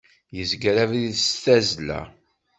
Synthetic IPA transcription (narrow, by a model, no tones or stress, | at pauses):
jəzɡɾævðiðsθæzlæ̰